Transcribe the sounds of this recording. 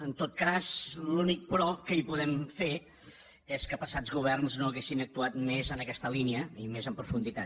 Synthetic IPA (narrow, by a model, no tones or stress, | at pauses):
ənt̪ot̪̚kazlunik̚pɾɔkəipuðɛmfe | eskəpəsazɣuβ̞ɛrnznoəɣesinək̚t̪uat̪mezənəkɛst̪əliniəimezəmpɾufund̪it̪at̪